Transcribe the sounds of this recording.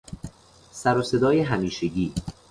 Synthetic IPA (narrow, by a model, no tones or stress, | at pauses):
sæɾose̞d̪ɒːjeɦæmiːʃe̞ɟiː